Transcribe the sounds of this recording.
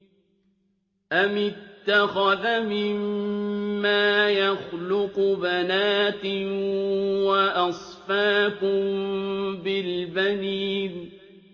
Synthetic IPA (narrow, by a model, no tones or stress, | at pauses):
ʔamɪt̪ːaxaðmɪmː | aːjaxlʊqbanaːt̪ɪ | waʔɑsˤfaːkʊmbɪlbaniːn